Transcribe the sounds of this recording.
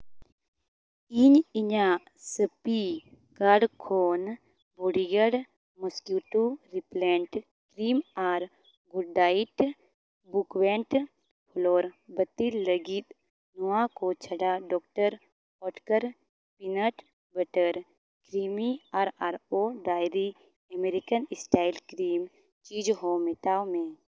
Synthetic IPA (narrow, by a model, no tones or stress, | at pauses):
iɲiɲã | səpikaɽkʰoːn | boɽiɡəɽ | mɐskjuːʈuɾipleɳʈ | kɾiːmaːɾ | ɡuɖaːiʈ | bukʋeɳʈ | pʰoloːɾbət̪illəɡit̪ | noakot͡ʃʰəɽaɖɔːkʈəɾ | ɔːʈkəɾ | pɪnəʈ | bəʈəɾ | kɾiːmiaːɾaːɾoɖaːjɾi | əmeɾikənɪsʈaːɪlkɾiːm | t͡ʃiːd͡ʒɦomet̪aːomẽ